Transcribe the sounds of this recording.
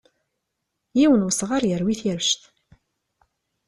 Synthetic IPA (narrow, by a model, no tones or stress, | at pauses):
jiwənwəsʁaɾjəɾwiθjəɾʃθ